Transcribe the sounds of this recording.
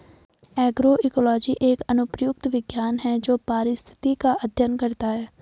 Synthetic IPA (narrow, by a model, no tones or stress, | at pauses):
ɛːɡɾoʔikɔlɔːd͡ʒiʔeːkɐnʊpɾjʊk̚t̪ʋɪɡjaːnɦɛd͡ʒoːpaːɾɪst̪ʰɪ̥t̪ikaʔɐd̪ʱjənkɐɾt̪aɦɛː